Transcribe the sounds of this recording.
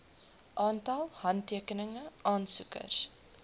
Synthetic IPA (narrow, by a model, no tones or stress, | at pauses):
ʔɑːntɐlˠhɐntːiəkənəŋəʔɑːnsukə̰rs